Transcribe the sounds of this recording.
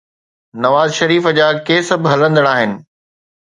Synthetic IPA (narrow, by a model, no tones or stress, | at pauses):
nɐʋaːzʃɐɾiːfəd͡ʑaːkeːsɐbʱɦɐlə̃nd̪əɽ̃aːɦɪnɪ̆